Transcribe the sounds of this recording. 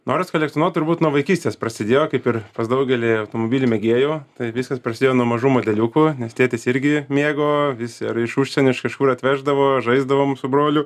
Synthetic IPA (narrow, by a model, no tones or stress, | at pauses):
noːɾʲʊskɐlʲɛkt̪ʲɪnoːt̪ʊɾbuːt̪nuɔʋɐɪkʲiːsʲt̪ʲeːspɾɐsʲɪd̪ʲeːjoːkɐɪpɪrpɐsd̪ɐʊɡʲɛlʲiɐʊt̪oːmobʲiːlʲɪmʲɛɡʲeːjoːt̪ɐɪʋʲiːskɐspɾrɐsʲɪd̪ʲeːjoːnuɔmɐʒuːmoːd̪ʲɛlʲuːkʊnʲɛst̪ʲiɛt̪ʲɪsɪɾʲɡʲɪmʲeːɡoːʋʲɪsɐɾɪʃuːʃʲsʲɛnʲʊɪʃkɐʃkuːɾɐt̪ʲʋʲæːʒd̪ɐʋoːʒɐɪzd̪ɐʋoːmsʊbɾoːlʲʊ